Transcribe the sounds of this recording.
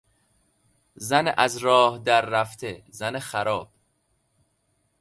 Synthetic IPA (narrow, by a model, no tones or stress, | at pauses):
zænʔæzɾɒːhd̪æɾːæft̪ʰezænexæɾɒːb̥